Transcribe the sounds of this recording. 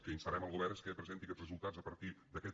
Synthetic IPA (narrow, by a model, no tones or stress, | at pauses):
kəinsəɐɾɛməlˠɣuβɛɾəskəpɾəzent̪ikɛzrəzulˠt̪azəpəɾt̪iðəkɛ